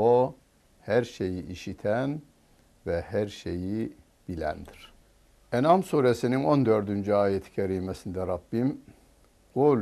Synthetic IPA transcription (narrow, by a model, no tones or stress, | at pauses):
o | hæɾʃejiʔiʃit̪ʰæn | vɛhæɾʃeji | b̥ilæ̰nd̪iɾ̥ | enɑmsuːɾesinino̞nd̪øɾd̪ynd͡ʒyaːjɛt̪ʰi̥cʰɛɾiːmɛsind̪ɛɾɑbːim | ɡ̥ol